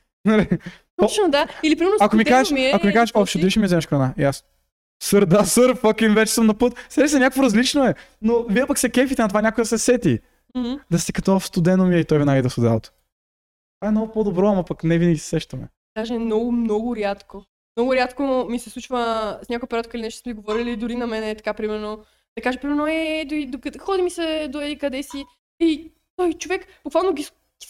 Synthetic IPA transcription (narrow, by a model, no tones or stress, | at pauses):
nɐli | ɔnod̪ailipɾimɛɾnoɐkomikazɛʃmiɐkomikazɛʃɔfʃod̪iʃmizɛməʃkɾɐnaiasno | sɤɾd̪asɤɾfɔkimvɛt͡ʃɛ̥səmnɐpɤt̪sɛʃɛsɛnʲakvoɾɐzlit͡ʃnoɛ | noviɛpɐksɛkɛfit̪ɛnɐt̪ovanʲakojd̪ɐsɛsɛt̪i | h̩d̪ɐst̪ɛkɐt̪ɔfst̪ʊd̪ɛnomiɛit̪ɔjvɛnaɡid̪ɐst̪ʊd̪ɛlˠot̪o̥ | t̪vaɛmnɔɡʊpod̪obɾɔɐmɐpɐknɛvinɐɡʲisɛ̥sɛʃt̪ɐmɛ̰ | d̪̥aʒɛɛmnɔɡʊmnɔɡʊɾʲjat̪ko | mnɔɡʊɾʲjat̪komisɛslˠut͡ʃvəsɲʲakojipoɾʲat̪kəilinɛʃt̪smɛsiɡovɔɾilid̪ʊɾinɐmɛnɛt̪ɐ̥kapɾimɛɾno | d̪ɐkaʒeɛpɾimɛɾnoɛd̪oɾid̪ok̪xɔd̪imisɛd̪oɛikɐd̪ɛsi | i | t̪ɔjt͡ʃovɛkb̥ukvalˠnoɡʲi | ɡi̥